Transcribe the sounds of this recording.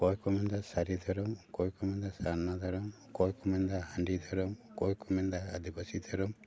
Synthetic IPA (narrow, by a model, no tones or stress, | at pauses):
kɔjkɔmɛnd̪asaɾid̪ʱɔɾɔmkɔjkɔmɛnd̪asannad̪ʱɔɾɔm | kɔjkɔmɛnd̪aɦaɳɖid̪ʱɔɾɔmkɔjkɔmɛnd̪aːd̪ibasid̪ʱɔɾɔm